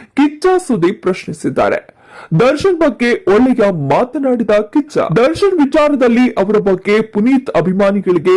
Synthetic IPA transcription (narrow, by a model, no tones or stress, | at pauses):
kit͡ʃaːsud̪ipɾɐʃnisid̪ːa̰ːɾḛ | d̪ɐɾʃɐnbɐɡːe̞ʔɔɭːɛjɐmaːt̪ɐnaːɽid̪ɐkit͡ʃɐ̰d̪ɐɾʃɐnʋit͡ʃaːɾɐd̪ɐlːiʔɐʋɐɾɐbɐɡːe̞puniːt̪ɐbʱimaːniɡɐɭiɡe